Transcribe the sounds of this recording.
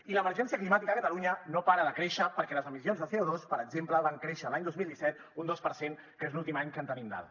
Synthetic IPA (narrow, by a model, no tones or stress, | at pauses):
iləməɾʒɛns̬iəklimat̪ikəkət̪əluɲənopaɾəðəkɾeʃəpəɾkɛləzəmisionzðəθeoðospəɾəɡzempləβaŋkɾeʃəlaɲd̪ozmilˠd̪isɛt̪̚ | und̪ospəɾseŋ | kezlulˠt̪imaɲkənt̪ənimd̪a̰l